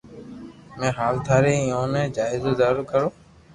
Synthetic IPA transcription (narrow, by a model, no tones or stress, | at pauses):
mẽːɦaːlt̪ʰaːɾeːɪjõːnɛ̃ːd͡ʒaːɪzoːzaːɾʊɾkəɾoː